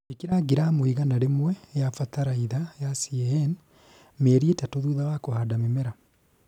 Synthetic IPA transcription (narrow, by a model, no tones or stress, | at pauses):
ekiɾaɡiɾamwiɣanaɾemwɛjafataɾaiðajasiɛɛn | meːɾietatoðuðawakohadamemɛɾa